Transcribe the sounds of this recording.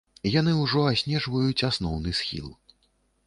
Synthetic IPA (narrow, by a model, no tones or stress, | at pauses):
jan̪ɨwʐɔasʲnʲɛʐvɐjut͡sʲasnɔwnɨsxʲḭlˠ